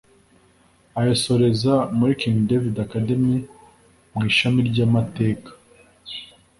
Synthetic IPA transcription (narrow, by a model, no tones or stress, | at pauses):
ajoso̞ɾe̞zamuɾikiŋdevidakademi | mŋiːʃamiɾɟamate̞ːkḁ